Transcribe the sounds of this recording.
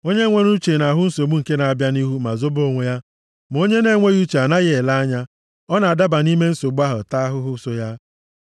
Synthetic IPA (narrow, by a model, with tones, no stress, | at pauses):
o˦ɲe˦ŋʷe˦ɾu˦t͡ʃe˨na˨ɦʊ˦n̩˦so˨ɡ͡bu˦ŋ̩˨ke˦na˨a˨bja˦ni˦ɦu˦ma˨zo˦bo˦ŋʷe˨ja˦ | m˨o˦ɲe˦ne˨˦ŋʷe˦ɣu˦t͡ʃe˨a˨na˦ɣɪ˦e˨la˦ɲa˦ | ɔ˦na˨a˨da˦ba˨ni˦me˦n̩˦so˨ɡ͡bu˦a˦ɦʊ̰˨ta˦a˦ɦʊ˦ɦʊ˦so˦ja˦